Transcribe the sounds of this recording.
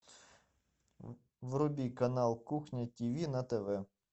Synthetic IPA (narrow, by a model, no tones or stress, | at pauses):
wɾʊbʲikɐnɑlˠkuxnʲɐtʲiʋʲinɐt̪eʋɛ